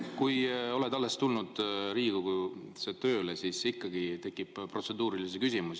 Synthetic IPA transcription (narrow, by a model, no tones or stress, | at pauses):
kujo̞le̞d̪ɑlːe̞st̪ulnud̪̥ɾiːɡ̥uku | set̪ø̞ːlesisikːɑɡit̪e̞kːˑippro̞t̪se̞d̪uːɾilis̬ikysʲimusi